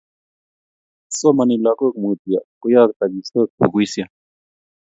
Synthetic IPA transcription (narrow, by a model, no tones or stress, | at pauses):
somɐnilakokmuːt̪ijakujaːk̚t̪ɐɡisok̚pʰṵkuisija